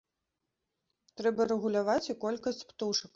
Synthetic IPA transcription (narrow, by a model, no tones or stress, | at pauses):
t̪ɾɛbɐɾɛɣulʲavat͡sʲikɔlʲkɐsʲt͡sʲpt̪uʂɐk